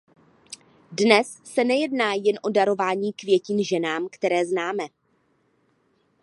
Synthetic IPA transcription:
dnɛsːɛnɛjɛdnaːjɛnʔo̞daɾo̞vaːɲiːkvjɛciːnʒɛnaːmkt̪ɛɾɛːznaːmɛ

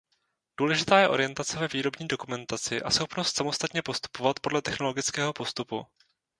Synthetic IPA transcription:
d̥uːlɛʒɪt̪aːjɛʔo̞ɾɪjɛnt̪at͡sɛvɛviːɾo̞bɲiːdo̞kumɛnt̪at͡sɪʔa̰sxo̞pnost̪samo̞st̪at̪ɲɛpo̞st̪u̥po̞vat̪po̞dlɛt̪ɛxno̞lo̞ɡɪt͡skɛːɦo̞po̞st̪upṵ

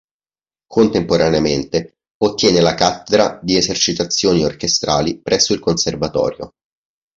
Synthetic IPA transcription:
kʰont̪empoɾaneament̪e | ot̪ːjɛːnelakat̪ːed̪ɾad̪iezert͡ʃit̪at̪sːjoːniorkest̪ɾʔaːlipɾʔɛsːoilkonservat̪ɔ̰ːɾjo̰

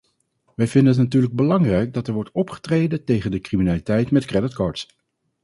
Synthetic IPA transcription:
ʋɛjvɪndənətnatyːɹləɡ̚bəlɑŋrɛjk̚dɑtɛɹʋɔɹtɔpχə̥trejdəntejχəndəkriminaːlitɛjtmɛtkrɛdɪtkɑːɹts

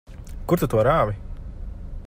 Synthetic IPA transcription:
kuɾt̪ut̪uɔɾaːvi

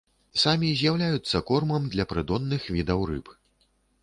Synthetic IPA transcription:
samʲizʲjawlʲajut̪sːɐkɔrmɐmd̪lʲɐpɾɨd̪ɔnːɨxvʲid̪ɐwrɨ̰p

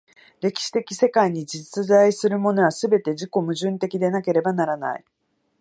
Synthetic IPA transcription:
ɾe̞kʲi̥ɕi̥t̪e̞kʲi̥se̞kaiɲ̟id͡ʑit͡sɨzaisɨɾɯ̟mo̞no̞βasɨbe̞t̪e̞ʑiko̞mɯ̟ʑɨ̃nt̪e̞kʲid̪e̞nake̞ɾe̞banaɾana̰ḭ

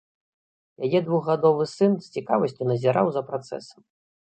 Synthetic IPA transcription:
jajɛd̪vuɣɣad̪ɔvɨsɨnsʲt͡sʲikavɐsʲt͡sʲunɐzʲiɾawzɐpɾat̪sɛ̰sɐ̥m

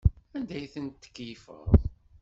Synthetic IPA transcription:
ænd̪æjθənt̪ːə̥kːjifə̰ɾˤðˤ

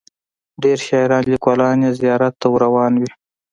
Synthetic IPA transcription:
ɖeɾʃɑjɾɑnlikwɑlɑnjezijɑɾat̪ːawɾawɑnwi

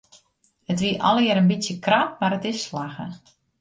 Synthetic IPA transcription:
hətʋiəʔɔlˠjəɾənbisjəkrat̚maɾətɪsːlaɣə̰

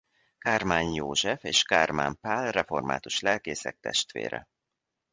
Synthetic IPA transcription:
karmaːnjoːʒɛfeːʃkarma̰mpaːlrɛforma̰ːt̪uʃlɛlkeːsɛk̚t̪ɛʃt̪ʋḛːɾɛ̰

